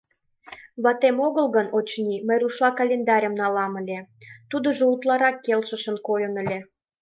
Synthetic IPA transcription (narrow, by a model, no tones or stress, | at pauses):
βɑt̪emoɣəlɣənot͡ɕniməjruʃlɑkɑlʲend̪ɑɾʲəmnɑlɑmə̆lʲet̪ud̪ə̆ʒout̪lɑɾɑkːelʃə̆ʃə̆nkojənə̆lʲe